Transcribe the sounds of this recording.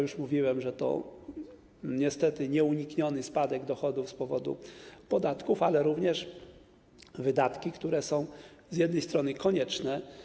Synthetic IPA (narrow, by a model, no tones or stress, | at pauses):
juʂmuvʲiwɛmʐɛt̪ɔ̰ | ɲɛst̪ɛt̪ɘɲɛuɲikɲɔnɘspad̪ɛɡd̪ɔxɔd̪ufspɔvɔd̪ṵpɔd̪at̪kufalɛɾuvɲɛʂ | vɘd̪at̪kʲikt̪uɾɛsɔ̃w̃zjɛd̪nɛjst̪ɾɔnɘkɔɲɛt͡ʂnɛ